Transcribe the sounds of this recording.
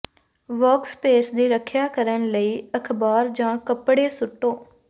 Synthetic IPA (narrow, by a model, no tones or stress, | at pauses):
ʋɔːkspeːsd̪iːɾəkʰjaːkəɾənləiːəkʰbaːɾd͡ʒãːkəpɽeːsʊʈːoː